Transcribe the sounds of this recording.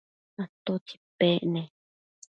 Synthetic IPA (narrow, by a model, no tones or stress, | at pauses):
at̪ot͡ʃi̥peʔnẽ